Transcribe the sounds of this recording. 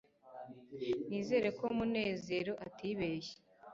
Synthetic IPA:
niːze̞ːɾe̞komune̞ːze̞ɾo̞ʔatiβeçe̥

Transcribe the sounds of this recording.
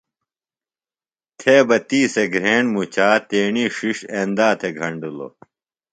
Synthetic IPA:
t̪ʰeːbɐt̪iːseɡɾeːɳmut͡ɕaːt̪eːɳiːʂiʂeːnd̪aːt̪ʰeɡʱɐɳɖulo̰

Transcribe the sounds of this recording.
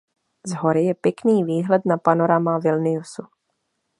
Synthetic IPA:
zɦo̞ɾɪjɛpjɛkniːviːɦlɛt̪̚napano̞ɾamavɪlnɪusu

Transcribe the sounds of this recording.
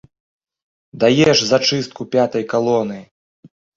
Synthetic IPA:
d̪ajɛʐzat͡ʂɨst̪̚kupʲat̪ɐjkalˠɔnɨ

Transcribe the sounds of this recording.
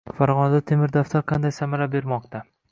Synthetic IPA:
faɾʁɒnad̪at̪ʰemɪɾd̪aft̪ʰaɾqʰɑnd̪ajsamaɾabe̞ɾmɒq̚t̪ʰa

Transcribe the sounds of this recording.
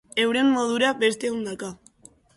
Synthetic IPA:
e̞wɾe̞mːo̞ð̞uɾabe̞st̪eond̪aka

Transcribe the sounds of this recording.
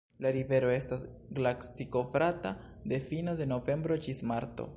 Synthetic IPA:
laɾive̞ɾo̞e̞stasɡlaksiko̞fɾata | de̞finode̞no̞ve̞mbɾo̞t͡ʃismaɾto̞̰

